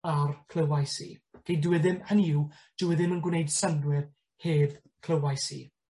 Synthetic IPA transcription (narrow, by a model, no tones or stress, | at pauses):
arkʰl̥ˠəwajsḭːɡ̥ejdwɛðɪmhəniːw | d̥ɪwɛðɪmənɡwnejd̥sandwɪr | heːð | kʰl̥ˠəwajsḭː